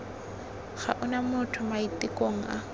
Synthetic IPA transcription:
χaʔʊnamʊtʰʊmaitʼɪkʼoŋ̩ʔa̰

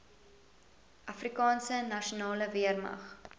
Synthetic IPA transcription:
ʔɐfrikɑːnsənɐʃunɑːləviərmɐ̰χ

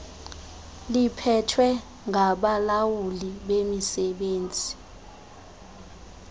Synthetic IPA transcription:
lipʰɛtʰwɛ | ŋaɓalawuliɓemisɛɓeːnd͡zʱi

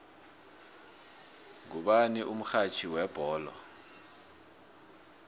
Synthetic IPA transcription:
ŋuɓaniʔum̩xat͡ʃʰiwɛb̥ʱɔːlɔ̰

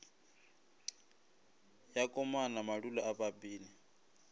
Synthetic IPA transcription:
jakʼɔmanamaɺulaaβabiːli

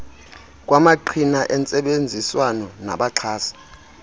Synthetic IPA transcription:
k̬ʼwamaǃʰinaʔɛnt͡sʼɛɓend͡zʱiswanɔna̰ɓaǃʰaːsḁ

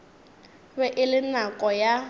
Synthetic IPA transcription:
bɛʔɪlɪnakʼɔja

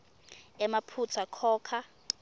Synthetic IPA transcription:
ɛmapʰut͡sʰakʰɔːkʰa

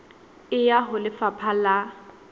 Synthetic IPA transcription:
ɪjaɦʊlɪfapʰala

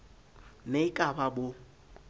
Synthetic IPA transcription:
neikʼababo

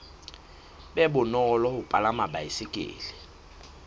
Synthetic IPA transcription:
bɛbʊnɔlɔhʊpʼalamabaisɪkʼɪ̰ːlɪ

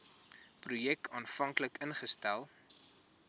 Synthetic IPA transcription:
prujɛk̚tʰɑːnfɐŋkləkənχəstælˠ

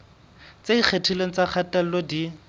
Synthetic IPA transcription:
t͡sedik͡xʰetʰiloŋ̩t͡sak͡xʰatal̩lodi

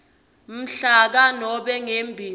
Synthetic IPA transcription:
m̩ɬak̬anɔɓɛŋembʱiː

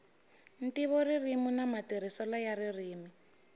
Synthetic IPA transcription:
n̩tiβɔririmunamatiɾ̤isɔlajaririːmi

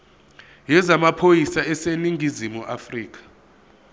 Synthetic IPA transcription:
jɛzamapʰojisaɛseniŋʱizimuʔafriːk̬ḁ

